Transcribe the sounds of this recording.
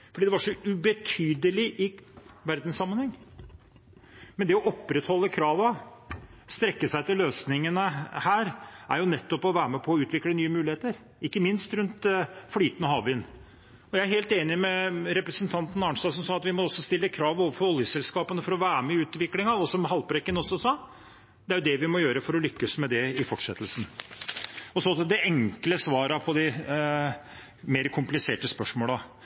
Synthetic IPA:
fɔɖiːd̪ɛʋɑʂɔʉbɛt̪ʰyːd̪əlɪʔɪʋæɾd̪nsɑmːənhɛŋː | mɛnd̪ɛɔʔɔpːɾɛt̪hɔlːəkʰɾɑːʋɑ | st̪ɾɛkːəsæɪt̪ɪlːøːsnɪŋənəhæːɾʔæɾjʊnɛt̪ːɔpɔʋæːɾəmɛpʰɔːʉːt̪ʋɪklənyːəmʉːlɪeːt̪əɾ | ɪkːəmɪnst̪ɾʉnt̪flyːt̪ənəhɑːʋɪːn | ɔjæɪæɾɦeːlt̪eːnɪmɛɾɛpɾəsənt̪ʰɑnt̪nɑɳst̪ɑːsɔmsɑːɑt̪ʋɪmɔɔsːɔst̪ɪlːəkʰɾɑːʋoːʋəfɔɾɔljəsɛlskɑːpənəfɔɾɔʋæːɾməɪʉːt̪ʋɪklɪŋɑɔsɔmɦɑlpɾɛkːənɔsɔsɑː | d̪ɛæɾjʊd̪ɛʋɪmɔjøːɾəfɔɾɔlʏkːəsmɛd̪ɛɪfɔʈʂɛt̪ːəlsn̩ | ɔsɔd̪ɛʔɛŋkləsʋɑːɾɑpʰɔd̪ɪ | meːɾkʰʊmplɪseːʈəspœʂmoːlɑ

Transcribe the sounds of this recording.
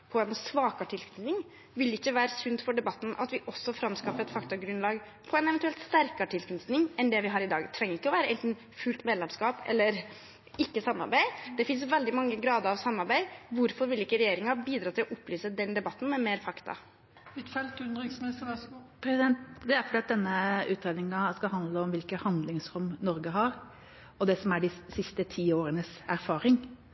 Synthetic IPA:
pʰɔɛnsʋɑːkɑʈʰɪlk̪nɪŋ | ʋɪlɪkːəʋæːɾəsʉnd̪fɔɖɛbɑt̪ːn̩ʔɑ̰t̪ʋɪʔɔsːɔfɾɑmskɑfəɛt̪fɑkt̪ɑɡɾʉnlɑːɡ | pʰɔɛɪnɛʋɛnʉɛlt̪st̪æɾkɑʈʰɪlkʉnsnɪŋɛnd̪ɛʋɪɦɑːɾɪd̪ɑ̰ːɡt̪ʰɾɛŋːəɾɪkːəɔʋæːɾəʔɛnt̪n̩ | fʉːlt̪mɛːd̪ɛmskɑːpɛ̰lːəɾ | ɪkːəsɑmːɑ̰ɾbæɪd̪̥ɛfɪnsʋɛld̪ɪmɑŋːəɡɾɑːd̪əɾɑʋsɑmːɑɾbæɪʋʊɾfɔɾʋɪlɪkːəɾɛjeːɾɪŋɑbiːd̪ɾɑːt̪ʰɪlɔʔʊpːlyːsəd̪ɛnd̪ɛbɑt̪ːn̩mɛmeːɾfɑkt̪ɑ̰ | ʋɪt̪fɛlt̪ʉnd̪ɾɪsmnɪst̪əɾpʰɾɛsɪd̪ɛnt̪d̪ɛæɾfɔɖ̪iːɑt̪̚d̪ɛnːəʉːt̪ɾeːd̪nɪŋɑskɑlhɑnd̪ləɔmʋɪlkəhɑnd̪lɪŋsɾʊmnɔɾɡəɦɑɾ | ɔd̪ɛsɔmæɖɪsɪst̪ət̪ʰiːoːɾənəsæɾfɑːɾɪŋ

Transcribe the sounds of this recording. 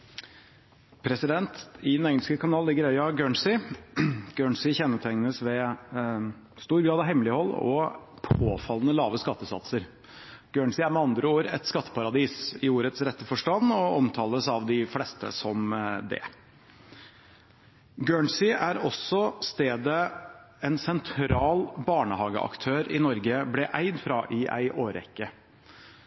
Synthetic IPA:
pʰɾɛsɪd̪ɛnt̪ɪd̪ɛnɛŋskəkʰɑnɑːllɪɡːəɾœʏɑɡøːɳsɪ | ɡ̥øːɳsɪçɛnːət̪ʰæŋnəsʋɛ | st̪uːɾɡɾɑːd̪ɑɦɛmlɪhɔlːɔ̰ | pʰo̰ːfɑlːənəlɑːʋəskɑt̪ːəsɑ̰t̪səɾ | ɡ̥øːɳsɪæɾmɛɑnd̪ɾəoːɾɛ̰t̪skɑt̪ʰːə̥pʰɑɾɑd̪iːsɪoːɾət̪sɾɛt̪ːəfɔʂʈɑnɔɔmt̪ʰɑːləsɑʋd̪ɪflɛst̪ə̰sɔmd̪ɛ̰ | ɡøːɳsɪæɾɔsɔst̪eːd̪ə | ɛnsɛnt̪ʰɾɑːlbɑːɳəhɑːɡə̰ʔɑ̰kt̪ʰøːɾɪnɔɾɡəblɛʔæɪd̪fɾɑʔɪʔæ̰ɪʔoːɾɛ̰kːə

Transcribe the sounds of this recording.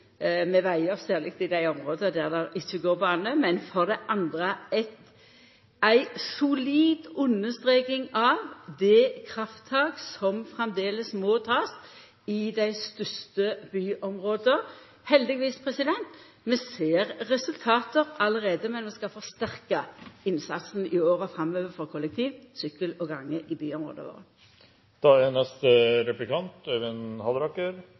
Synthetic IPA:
mɛʋæɪəʁsæːʁlɪk̚t̪ɪd̪æɪɔmʁoːd̪əd̪æʁd̪ɑʔɪt͡ʃːəɡoːbɑːnəmɛnfɔʁd̪ɛʔɑnd̪ʁəɛt̪ | æɪsʊliːd̪ʉnːəst̪ʁeːkɪŋɑʋd̪ɛkʰʁɑft̪ʰːɑːɡsɔmfʁɛmd̪eːləsmɔːt̪ʰɑːs | ɪd̪æɪst̪ʏst̪əbyːʔɔmʁoːd̪ə | hɛld̪ɪɡʋiːspʰʁɛsɪd̪ɛnt̪ | mɛseːʁːɛsʉlt̪ʰɑːt̪əɾɑləʁeːd̪əmɛnmɛskɑfɔʁst̪æʁkəɪnsɑ̰t̪sn̩ɪoːɾəfʁɑmøːʋəfɔʁkʰɔlːɛk̚t̪ʰiːʋsʏkːəlɔɡɑŋːəʔɪbyːɔmʁo̰ːd̪ə̰ʋo̰ːʁə | d̪̥ɑɛnɛst̪əɾɛplɪkʰɑnt̪øʋɪnhɑd̪ɾɑkːəɾ

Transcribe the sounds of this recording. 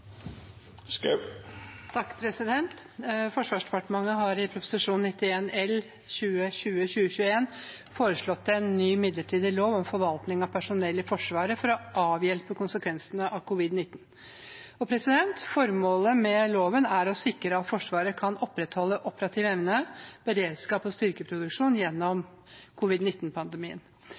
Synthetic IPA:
skɛ | t̪ʰɑkːpʰɾɛsɪd̪ɛnt̪fɔʂʋɑːʂd̪ɛpɑʈəmɑŋːəɦɑɾɪpʰɾʊpʊ̥sɪʂuːnnɪt̪ːɪeːnɛl | ɕʉːəɕʉːəɕʉːəçʉːəeːn | foːɾəʂɭɔt̪ːɛnːyːmɪd̪ləʈʰiːd̪ɪloːʋɔmfɔɾʋɑlt̪nɪŋɑpʰæʂʊnɛlːəfɔʂʋɑːɾəfɔɾɔʔɑːʋjɛlpəkʊnsəkʰʋɛnsənəʔɑkʰʊʋɪd̪nɪt̪ːn | ɔpʰɾɛsɪd̪ɛnt̪fɔɾmoːləmɛloːʋənæɾɔsɪkːɾəɑt̪fɔʂʋɑːɾəkʰɑnɔpːɾɛt̪hɔlːəʔɔpəɾɑt̪ʰiːʋɛʋnəb̥əɾeːd̪skɑːpɔst̪ʏɾkəpʰɾʊd̪ʉkʂuːnjɛnːɔm | kʰʊʋɪd̪nɪt̪ːnpʰɑnd̪əmiːə̰n

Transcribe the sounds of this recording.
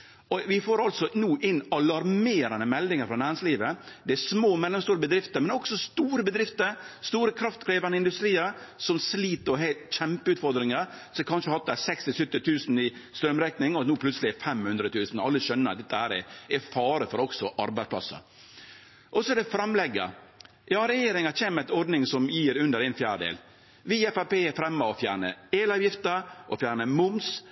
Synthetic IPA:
ɔʋɪfoːɾɑlt̪sɔnuːʔɪnːɑlɑɾmeːɾɑnəmɛld̪ɪŋəɾfɾɑnæːɾɪŋsliːʋəd̪ɛæsmoːmɛlːɛmst̪uːɾəbəd̪ɾɪft̪əɾmɛnɔksɔst̪uːɾəbəd̪ɾɪft̪əɾst̪uːɾəkʰɾɑft̪kʰɾeːʋɑnəɪnd̪ʉst̪ɾiːəɾsɔmsliːt̪əɾɔɦeɪt̪c͡çɛmpəʉːt̪fɔɾd̪ɾɪŋəɾ | sɔɛkʰɑnʂəhɑt̪d̪æsɛkst̪ɪsʉt̪ːɪt̪ʰʉːsn̩ɪst̪ɾœmɾɛknɪŋɔnuːpʰlʉt̪səlɪɛfɛmhʉnd̪ɾət̪ʰʉːsn̩ɔɑlːəʃœnːəɾɑt̪̚d̪ɛt̪ːəhæːɾɛɛfɑːɾəfɔɾɔksɔʔɑɾbæɪspʰlɑ̰sːə̰ | ʔɔsɔɛd̪ɛfɾɑmlɛɡːə̰ | jɑːɾɛjeːɾɪŋɑt͡ɕeːməɾɛt̪ɔɾɖ̪nɪŋsɔmjiːɾʉnd̪əɾɛɪnfjæːɖḛːl | ʋiːɛfɑpeːɛfɾɛmːəɔfjæːɳəeːlɑːʋjɪft̪əʔɔfjæːɳəmʊms

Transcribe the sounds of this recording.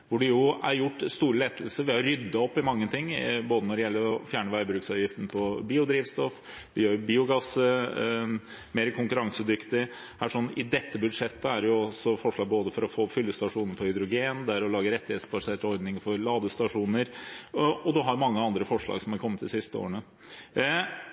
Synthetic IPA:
ʋʊɖɛjʊæɾjʊʈːst̪uːɾəleːt̪ʰl̩səɾʋɪhɑɾɾʏd̪ːɑɔpːɪmɑŋːət̪ʰɪŋːboːd̪ənɔɖɛjɛlːəɾɔfjæːɳəʋæɪbɾʉːksɑːʋjɪft̪ən̩əpʰɔbiːʊd̪ɾiːʋst̪ɔf | ʋɪjøːɾbiːʊɡɑsə | meːɾkʰʊŋkʉɾɑŋsəd̪ʏkt̪ɪ | hæʂɔnːɪd̪ɛt̪ːəbʉd̪ʂɛt̪ːəæɖɛjʊɔsɔfɔʂɭɑːɡ̚boːd̪əfɔɾɔfoːfʏlːəst̪ɑʂuːnəɾpʰɔɾhʏd̪ɾʊɡeːnd̪ɛæɾɔlɑːɡəɾɛt̪ːɪheːt̪sbɑseːʈəɔɾd̪nɪŋəfɔɾlɑːd̪əst̪ɑʂuːnəɾ | ɔd̪ɔɦɑɾjʊmɑŋːəɑnd̪ɾəfɔʂɭɑ̰ːɡsɔmhɑɾkʰɔmːət̪̚d̪ɪsɪst̪əo̰ːɾəɳə

